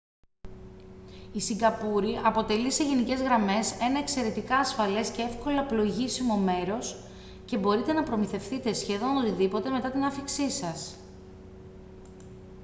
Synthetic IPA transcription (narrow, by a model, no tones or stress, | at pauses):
isiŋɡɐpuɾiʔɐpo̞t̪e̞lise̞ʝe̞nice̞zɣɾɐme̞se̞nɐe̞kse̞ɾe̞t̪ikɐːsfɐle̞sce̞e̞fko̞lɐplo̞ʝisimo̞me̞ɾo̞s | cebo̞ɾit̪e̞nɐpɾo̞miθe̞fθit̪e̞sçe̞ðo̞not̪iðipo̞t̪e̞me̞t̪ɐt̪inɐfiksisɐs